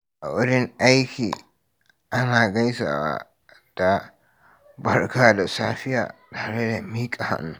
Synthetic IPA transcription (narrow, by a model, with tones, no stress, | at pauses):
ʔa˨wʊ˦ɽɪ˦ŋʔa˦jkʲiː˨ | ʔa˦naː˨ɡɐ˦jsa̰ː˨wa̰ː˦ | d̥a˨ | bɐ˦rkaː˦da˨saː˦ɸɪ˦ja̰ː˨taː˨ɾe˦da˨miː˦kʼa˨ha̰˨nu˦